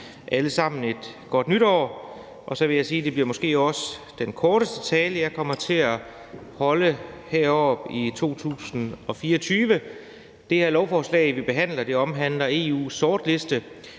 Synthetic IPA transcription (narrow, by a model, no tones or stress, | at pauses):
ʔæləsɑ̈m̰n̩e̝d̥ɡ̥ɒ̽d̥nyɾɒ̰ː | ʔɒ̽sɒ̽ʋe̝jɑ̈siːd̥e̝b̥liɐmɒ̽sɡ̥e̝̰ːɒ̽səd̥enkʰɒːɾ̥əsd̥ət͡sʰɛːləjɑ̈kʰɒ̽m̰ɐt͡sʰe̝æ | hɒ̽ləheɐ̰ɒ̰ːb̥it͡sʰo̝̰ːt͡sʰṵːsn̩ɒ̽fiːɐɒt͡sʰyːʋə | d̥e̝hæɐ̰lɒʊfɒːslɛ̰ɪʋib̥e̝ɦæn̰lɐd̥e̝ɒ̽mɦæn̰lɐe̝ːṵːsːɒːd̥le̝sd̥ə